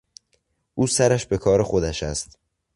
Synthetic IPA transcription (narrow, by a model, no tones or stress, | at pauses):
ʔuːsæɾæʃbe̞kʰɒːɾexo̞d̪æʃæst̪